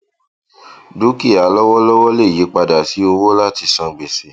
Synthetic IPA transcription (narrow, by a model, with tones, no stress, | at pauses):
du˦ki˦˨a˨˦lɔ˦wɔ˦lɔ˦wɔ˦le˦˨ji˨˦k͡pa˧da˨si˨˦o˧wo˦la˦˨ti˧sã˧ɡ͡be˨se˨